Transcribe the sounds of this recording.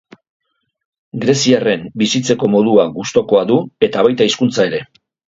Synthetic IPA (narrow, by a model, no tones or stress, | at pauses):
ɡɾe̞siare̞mbisit͡se̞ko̞mo̞ðuaɡust̪o̞ko̞aðue̞t̪aβajt̪aiskunt͡sae̞ɾe̞